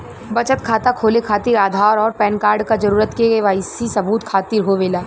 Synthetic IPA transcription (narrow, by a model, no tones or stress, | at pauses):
bɐt͡ʃət̪kʰaːt̪akʰoːlekʰaːt̪iːɾaːd̪ʱaːɾɔːɾpɛːnkaːɾɖkad͡ʒɐɾuːɾət̪keeʋaːɪsisɐbuːt̪kʰaːt̪iɾɦoʋeːlaː